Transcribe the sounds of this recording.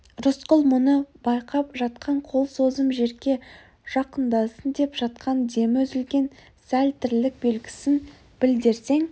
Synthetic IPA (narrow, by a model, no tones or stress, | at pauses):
ɾʊsqʊlˠmʊnəbɑjqɑpʒɑt̪qʰɑɴqʰo̞lˠso̞zəmʒe̞ɾɡʲe̞ | ʒ̥ɑqənd̪ɑsənd̪e̞pʒ̥ɑt̪̚qʰɑnd̪e̞mwɵzɪlɡʲe̞n | sælt̪ɪɾlɪk̚be̞lɡʲɪ̥sɪn | b̥ɪld̪eɾse̞ŋ